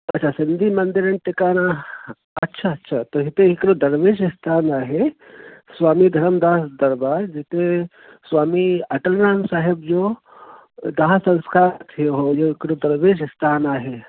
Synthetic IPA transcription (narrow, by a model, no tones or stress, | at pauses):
ɐtːʃʰasind̪ʱiːmɐnd̪iɾɐnʈɪkaːna | ɐtːʃʰaɐtːʃʰat̪oɦit̪eikɾod̪ɐɾʋeːʃist̪ʰaːnaːɦe | sʋaːmid̪ʱɐɾəmd̪aːsd̪ɐɾbaːɾd͡ʒit̪e | sʋaːmiɐʈəlnaːmsaːɦebd͡ʒo | d̪aːsɐ̃ñskaːɾt̪ʰioɦojoɪkɾod̪ɐɾʋeːd͡ʒɪst̪ʰaːnaːɦe